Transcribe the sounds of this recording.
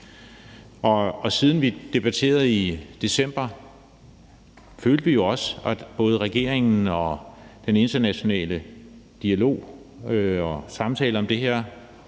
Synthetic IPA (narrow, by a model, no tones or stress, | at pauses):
ʔɒ̽ɒ̽siːð̞ˠn̩ʋid̥e̝b̥æt͡sʰe̝̰ːɐð̩ˠid̥e̝sem̰b̥ɐ | føːld̥əʋijo̝ɒ̽sɒb̥ɔ̽ːð̞ˠəʁaɡ̥e̝̰ɐ̰e̝ŋn̩ɒ̽d̥ene̝nd̥ɐnæɕo̝nɛ̰ːləd̥iælo̝̰ː | ɒsɑ̈mt͡sʰɛ̰ːləɒ̽md̥e̝ɦeɐ̰